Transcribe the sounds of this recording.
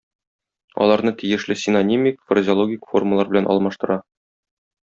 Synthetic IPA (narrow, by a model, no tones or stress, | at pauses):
ɒ̰lˠɑɾnɤt̪ijɘ̆ʃlɘsʲɪnonʲimʲikfrəzʲɪolˠoɡʲikfo̞̰rməlˠɑɾbɘ̆lænʔɒ̰lˠmɑʃt̪ɤ̆ɾɑ